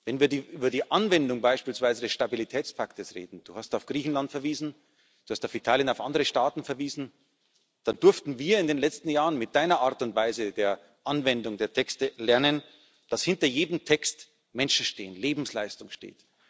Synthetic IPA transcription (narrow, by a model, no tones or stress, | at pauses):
vɛnviːɐdiʔyːbɐdiːʔanvɛndʊŋbaɪʃpiːlsv̥aɪzədɛsʃtabilitʰɛːt͡spʰaktəsʁḛːdn̩d̥uːhastaʊfɡ̥ʁiːçn̩lantfɛɐviːzn̩ | d̥uːhastaʊfitʰaːljənaʊfʔandəʁəʃtaːtn̩fɛɐviːzn̩ | d̥andʏɐftn̩viːɐɪndeːnlɛt͡stn̩jaːʁənmɪt̚d̥aɪnɐʔaɐtʊntv̥aɪzədeːɐ | ʔanvɛndʊŋdeːɐtʰɛkstəlɛɐnən | d̥ashɪntɐjeːdəm̩tʰɛkst | mɛnʃn̩ʃteːənleːbm̩slaɪstʊŋʃtḛːt